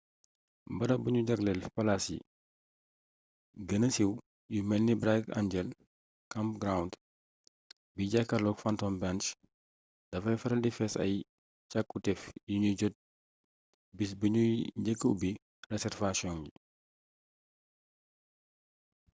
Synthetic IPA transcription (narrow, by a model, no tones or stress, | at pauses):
bɐɾɐbuɲuɟɐɡlɛlpɐlasḭ | ɡənəsiw | jumɛlnibɾaka̰ɲɟɛl | kampɡɾaund | biɟakːɐlɔkfantɔmbant͡ʃ | d̥ɐfɐjfɐɾɐldifɛsɐ̰j | cakːutɛfjuɲuɟɔt̚ | bisbəɲuɲɟəkːəwbi | rɛsɛrfasjɔŋɟi